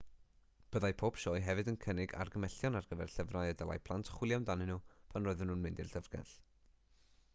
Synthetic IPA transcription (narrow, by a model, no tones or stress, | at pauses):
b̥əðajpʰoːpʃɔːjɦɛvɨdənkʰənɪɡa̰rɡəmɛɬjɔnarɡəvɛ̰rɬəvrajədəlˠa̰jpʰlˠantʰχwɪlˠjawndanɪnupʰanroːɨðənuːnmɪndɪrɬəvrɡɛ̰ɬ